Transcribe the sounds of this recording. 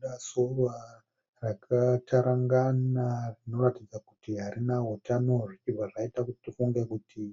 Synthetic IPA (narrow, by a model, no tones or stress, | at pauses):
ɗasorwa | rakʰatʰaɾaŋɡanarino̞ratid͡zakutiɦaɾinaɦutano̞ʐit͡ʃivaʐaitakutitifuŋɡekutʰi